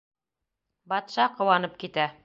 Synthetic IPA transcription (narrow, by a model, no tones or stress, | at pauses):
bɑt̪ʃɑqŏwɑnɤp̚kit̪æ